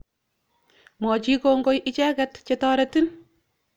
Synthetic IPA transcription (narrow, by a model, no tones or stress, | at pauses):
mɔːt͡ʃiːkoŋɡojʔɪt͡ʃɛːkɐtt͡ʃɛtɔːɾɐtin